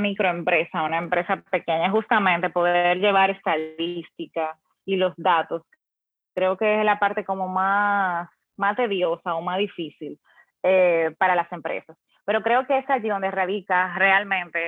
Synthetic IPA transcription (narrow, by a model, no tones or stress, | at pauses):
mikɾo̞empɾe̞saunaempɾe̞sape̞ke̞ɲaɦust̪amẽnt̪e̞po̞ðe̞ɾʝe̞β̞aɾe̞st̪aðist̪ika | ilo̞sðat̪o̞s | kɾe̞oke̞eslapaɾt̪e̞ko̞mo̞mas | mast̪e̞ðjo̞saomasðifisil | epaɾalase̞mpɾe̞̰sas | peɾo̞kɾe̞o̞ke̞esaaʝiðond̪eraðikare̞almẽ̞nt̪e